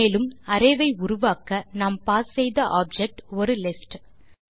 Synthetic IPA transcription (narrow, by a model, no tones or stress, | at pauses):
eːlɯmɐɾɐɪʋɐɪʊɾʊʋaːkɐnɐmpaːssɛjðɐʔaːb̚d͡ʒɛk̚ʈɔɾɯlɪsʈ